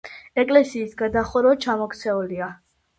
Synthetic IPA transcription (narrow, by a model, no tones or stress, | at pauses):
ɛkʼlɛsiːsɡad̪aχuɾɔt͡ʃʰamɔkʰt̪sʰɛulia